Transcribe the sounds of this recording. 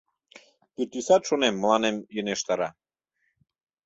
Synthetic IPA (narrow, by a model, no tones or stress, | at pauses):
pit̪ysɑt̪ʃonemːəlɑnemjøneʃt̪ɑɾɑ